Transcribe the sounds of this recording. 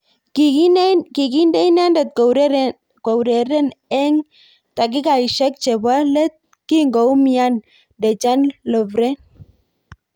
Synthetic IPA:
ki˨ki˦ndɛ˦i˦n˦a˦ndɛ˨t̪̚ɾ | ko˨wɾe˨ɾɛ˦nɛ˦ŋ | ta˨k̬ɪ˦ka˨i˨ʃɛ˦k̚t͡ʃɛ˨ba˦lɛ˦t̪̚ | ki˦ŋɡo˨wmi˨a˦n | dɛ˨t͡ʃa˦nlɔ˨vɾɛ˦n

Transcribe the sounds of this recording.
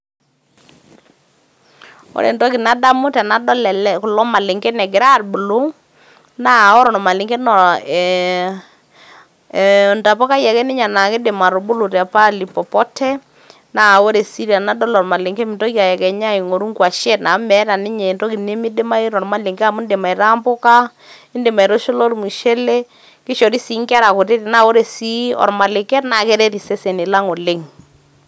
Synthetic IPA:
o̰˦ɾḛ˨ntɔ˦ki˨na˦da˦mʊ˦tɛ˨na˨dɔ˦lɛ˨lɛ˦kʊ˨lɔ˦ma˨lɪ˨ŋɡɛ˦nɛ˨ɡɪ˨ɾa˦˨ɾbu˨lo˦ | na˦˨ɔ˦ɾɔ˨nɔ˨ma˨lɪ˨ŋɡɛ˦nɔ˨ | nda˨pɔ˦ka˦jɛ˨kɛ˦nɪ˦ɲa˨na˨kɪ˦dɪ˨ma˨ɾɔ˨bʊ˦lu˨tɛ˨pa˦li˨pɔ˨pɔ˦tɛ˦ | na˦˨o˦ɾe˨si˦ɾa˨na˦dɔ˦lɔ˨ɾma˨le˨ŋkɛ˦mɪ˨ntɔ˦kja˨jɛ˨kɛ˨ɲa˦ɪ˨ŋo˨ɾu˦ŋkwa˨ʃɛ˦na˨˦mɛ˨˦ɾa˨nɪ˦ɲɛ˨ndɔ˦ki˨ne˦mɪ˦dɪ˦ma˦e˦ɾɔ˨ɾma˦le˨ŋɡa˦˨mʊ˦ndɪ˨ma˨i˨ɾa˦mbʊ˦ka˦ | ɪ˦ndɪ˨ma˨i˨ɾo˦ʃo˦lɔ˦ɾmu˨ʃɛ˦le˦ | kɪ˦ʃɔ˨ɾi˦si˨˦ŋka˦ɾa˨kʊ˨ɾɪ˦ɾi˨na˦˨o˦ɾe˨si˦ɔ̰˨ɾma˨lɪ˨kɛ˦rna˨kɛ˦ɾɛ˦ɾi˨sɛ˦se˨nɪ˨la˦ŋo˨le˦ŋ

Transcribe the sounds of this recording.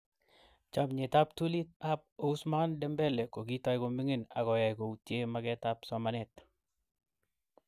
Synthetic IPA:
t͡ʃa˨mɲe˨ta˦p̚tu˦li˦t̚a˦p̚o˨u˦sma˦ndɛ˦mbɛ˦lɛ˨ko˨ki˦tɔ˦jko˨mi˦ŋe˦na̰˨kɔ˨ja˨jko˨u˨tje˦ma˦kɛ˦ta˦psɔ˦ma˦nɛ˨t̚

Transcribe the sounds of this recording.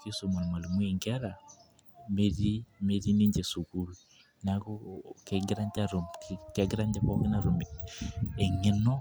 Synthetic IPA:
ki˦so˨mo˨lma˨lmu˦e˨ŋɡɛ˦ɾa˨ | me˦ɾi˦me˦ɾi˦ni˦ɲd͡ʒe˨su˨ku˦lu˦˨ | na˦kɔ˦ke˨ɡɾa˦ɲd͡ʒa˦ɾo˨mkɛ˦ɡɪ˦ɾa˦ɲd͡ʒa˦kɔ˦kɪ˦na˨ɾo˨m | e˨ŋɪ˦nɔ˦

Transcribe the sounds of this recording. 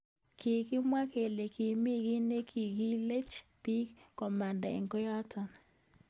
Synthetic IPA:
kɪ˨kɪ˦mwa˦ke˨le˨ki˨mi˦ɡi˦ne˦kʰi˨ɡi˦le˦t͡ʃpi˦kkːɔ˨ma˨nda˨ḛ˨ŋkɔ˦ja˦tɔ˨n

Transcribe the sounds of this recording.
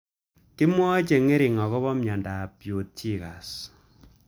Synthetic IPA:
ki˦mwɔ˦t͡ʃe˨ŋe˦ɾi˨ŋɔ˨ɣɔ˦βɔ˦mɲa˨nda˨pjo˨t̚t͡ʃi˦ka˨s

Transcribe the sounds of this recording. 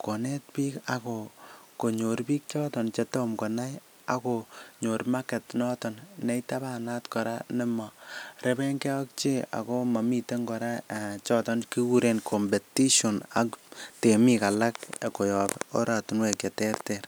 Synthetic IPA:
ko˨ne˦t̚piː˦ka˨koko˨ɲo˨rpiː˦k̚t͡ʃɔ˦tɔ˨nt͡ʃe˨to˦mko˨na˦j | a̰koɲo˨rma˦ke˨tnɔ˦tɔ˨nne˦jta˦ba˦natkɔ˨ɾa̰nɪ˦ma˨ɾe˦bɛ˦ŋkɛ˦wa˦k̚t͡ʃe˦a̰˨ko˦ma˨mi˦te˦ŋɡɔ˨ɾa˦t͡ʃɔ˦tɔ˦nki˦ku˦ɾenkʰo˨mbe˨ti˦ʃo˨na˨kte˨mi˦ka˨la˦kko˨jɔ˨po̰˦ɾa˨tu˨nwe˨kje˨tɛ˦rtɛr

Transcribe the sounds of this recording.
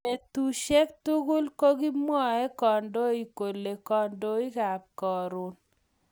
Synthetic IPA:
e˨t̪u˨ʃe˦k̚t̪u˦ɡʊ˦lko˦ɡi˦mwɔ˦ɛ˦kɔ˨ndo˦i˦ko˨le˨kɔ˨ndo˦i˦ka˨kkɔ˨ɾʊ˨n

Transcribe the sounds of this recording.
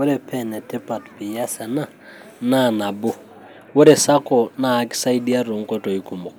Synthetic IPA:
wʊ˦ɾɛ˨pʰɛ˦nɛ˨tʰɪ˦pa˨tpɪ˨ja˦sɛ˨na˦˨ | na˦˨na˨bʊ˦ | wʊ˦ɾɛ˨sa˦kɔ˨naː˦ksa˦i˦di˦a˦ɾʊ˨ŋ̩˦kʼɔ˦tʼɔ˨i˦kʰu˨mʊ˨

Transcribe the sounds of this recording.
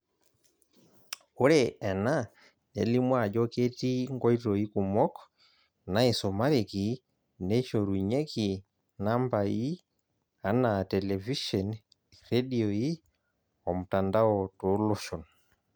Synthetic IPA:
u˦ɾɛɛ˨na˦ | nḛ˨li˦mwa˦˨d͡ʒɔ˦ke˦ti˦ŋɡɔ˦i˦tɔ˨i˦ku˨mɔ˦k | na˦i˨sɔ˨ma˦ɾeki˨ | ne˦ʃo˨ɾuɲe˦ki˨ | na˦mba˨ji˦ | a˨natɛ˨lɛ˨vi˦ʃɔn | re˦diɔi˦ | ɔ˨mu˨ta˨nda˦ɔto˨˦lɔʃɔ˨n

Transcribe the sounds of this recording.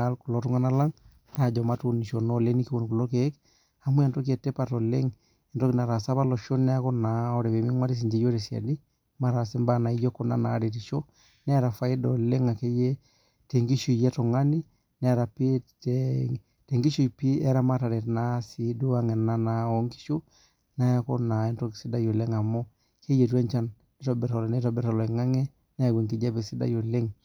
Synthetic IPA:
alku˨lo˦tu˦ŋa˦na˦la˦ŋ | a˨d͡ʒɔ˨ma˦tu˨ni˨ʃo˨no˦le˦ni˦ki˦wo˨nku˨lo˦ke˦k | a˨mu˦ɛ˨ntɔ˦k̬i˦ɛ˨te˦pa˨tɔ˨le˦ŋ | ɛ˨ntɔ˦kina˨ɾa˨sa˦pa˦lɔ˨ʃo˦nɛ˦a˦kɔ˦na˨ɔ˦ɾɛ˨pe˨mi˦ŋwa˦ɾi˦s̬i˨ɲd͡ʒe˦jo˦ɾe˨sja̰˨di˦ | ma˨ɾa˨sɛ˦mba˦na˨i˦jɔ˦kːɔ˨na˦na˨˦ɾe˨ti˨ʃo˦ | nɛ˦ɾa˨fa˦i˦dɔle˦ŋa˨ke˦jɛ˦ | te˨ŋɡi˦ʃu˨jɛ˦tɔ˨ŋa˦ni˦ | nɛ˦˨ɾa˨pi˦ | te˨ŋɡi˦ʃu˨i˨pi˦ɛ˦ɾa˦ma˦ta˨ɾɛ˨tna˦si˨du˦wa˦ŋɛ˨na˦na˦o˦ŋki̥˦ʃo˦ | na˦ja˦ko˦na˨ɛ˦nto˦ksi˦da˦jo˨le˦ŋa˨mo˦ | ke˦je˨tu˦ɛ˦nt͡ʃa˦n | ɛ˦tɔ˨bɛ˨ɾɔ˨lnɛ˦tɔ˨bɛ˦ɾa˨lɔ˨ɛ˨ŋa˦ŋɛ˦ | na˦jɡi˨ŋki˨d͡ʒa˦be˨si˦da̰˦jo˨le˦ŋ

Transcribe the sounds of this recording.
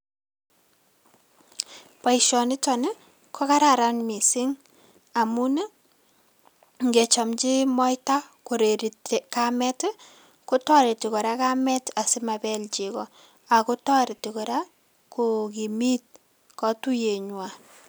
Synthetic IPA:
pa˨iʃɔ˨nɪ˦tɔ˨ne˦ | kʰɔ˦ka˦ɾa˨ɾa˦nmi˨sɪ˦ŋ | a˨mu˦ne˦ | ŋɡe˨t͡ʃɔ˨mt͡ʃi˦mɔ˦jta˦ko˨ɾe˨ɾi˨tka˦mɛ˦t | ko˦tɔ˦ɾi˨ti˨kɔ˨ɾa˦ka˦mɛ˦ta˨sɪ˦ma˨bɛ˦lt͡ʃi˨kɔ˨ | a˨ku˦tɔ˦ɾi˨ti˨kɔ˨ɾa˦ | ku˨ki˨mi˦t̚ | kɔ˨tu˦je˨ɲwa˨

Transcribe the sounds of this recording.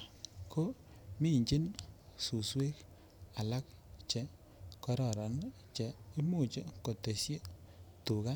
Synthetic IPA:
kʰo˦ | mi˦˨ɲt͡ʃi˦nsu˨swe˦k | a˨la˦k̚t͡ʃɛ˨ | kɔ˦ɾɔ˨ɾɔ˨n | t͡ʃɛ˨i˦mu˨t͡ʃe˦ko˨te˨sje˦tu˨ka˦

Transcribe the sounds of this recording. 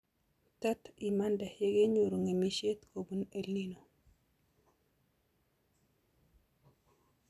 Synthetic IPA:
ta˦ti˨ma˦nda˨hje˦ɡe˦ɲu˨ɾo˨ŋe˨mi˦ʃe˦t̪ko˨bu˦ne˦lni˦no˨

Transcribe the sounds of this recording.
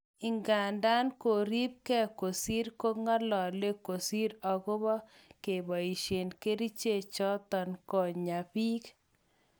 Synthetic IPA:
ɪ˨ŋɡa˨nda˦nko˨ɾi˦p̚kɛ˦ko˨si˦ɾko˦ŋɔ˦lɔ˨le˦ko˨si˦ɾɔ˨ɡʊ˦bɔ˦ | ke˨bɔ˨i˨ʃe˨nke˦ɾi˦t͡ʃe˦˨t͡ʃɔ˦t̪ɔ˨nkɔ˨ɲa˨pi˦k

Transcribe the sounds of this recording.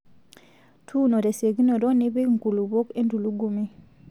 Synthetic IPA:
tʰu˦no˨ɾe˨se˨ɡi˦nɔ˨ɾɔ˦ni˦be˦ŋku˨lu˨βo˦ke˦ndu˨lu˦ɡu˦mi˦

